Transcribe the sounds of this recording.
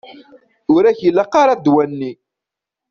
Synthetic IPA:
ʊɾæçəlːaqaɾɑd̪wænːi

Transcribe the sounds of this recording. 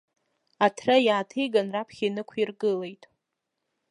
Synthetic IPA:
atʰrajaːtʰejɡanrapʰχʲinɨkʷʰirɡɨle̞jtʼ

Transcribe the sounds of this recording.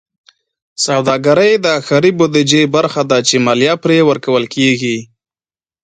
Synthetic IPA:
sawd̪ɑɡaɾəjd̪əaxaɾibod̪ɪd͡ʒebaɾxad̪at͡ʃemɑljɑpɾewəɾkawəlkeɡi

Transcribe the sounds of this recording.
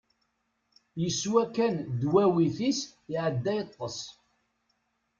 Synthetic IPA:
jəsːwækːænd̪wæwiθisɪʕəd̪ːæjət̪ˤːəsˤ

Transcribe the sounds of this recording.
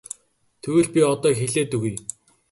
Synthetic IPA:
t̪ʰɵwɘ̆ɮpʲiɔt̪ɔːxeɮeːt̪ɵ̆ɣuj

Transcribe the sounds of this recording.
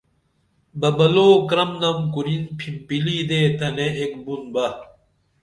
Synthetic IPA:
bɐbɐloːkɾɐmnɐmkuɾinpʰimpiliːd̪eːt̪ɐneʔekbunbɐ

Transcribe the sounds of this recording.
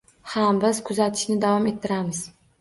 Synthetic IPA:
hambɪzkʰʊzat̪ʰɪ̥ʃnɪd̪avɒme̞t̪ʰːɪɾamɪz

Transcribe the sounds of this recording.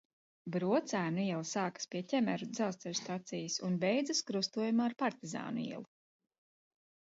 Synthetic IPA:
bɾuɔt̪sæːnuiɛlˠisaːkḁspʲiɛcʲɛmɛɾud̪zalst̪ɛlʲst̪at̪sijɐsunbɛjd̪zɨskɾust̪uɔjumaːɾpaɾt̪iza̰ːnuḭɛ̰lˠu

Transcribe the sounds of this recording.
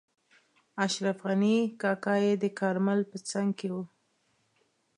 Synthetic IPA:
aʃɾafɣanikɑkɑjed̪əkɑɾməlpət͡saŋɡkewu

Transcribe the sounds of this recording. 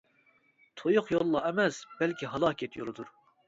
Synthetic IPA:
t̪ʰojʊqjolˠːɑɛmɛsb̥ɛlkʲiɦɑlˠɑːkʲʰɛt̪ʰjo̰lˠɨd̪uɾ

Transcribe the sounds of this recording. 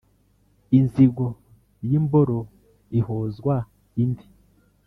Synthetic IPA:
inziɡo | jimboɾo | ihozɡwa | indi

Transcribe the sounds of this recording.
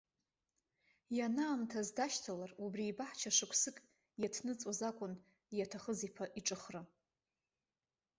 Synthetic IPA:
janaːmtʰazdaʃtʰalarubriːbaħt͡ʃʰaʂɨkʷʰsɨkʼ | jatʰnɨt͡sʼozakʷʼʊn | jatʰaχəzipʰaʔiʈ͡ʂʼɨχra

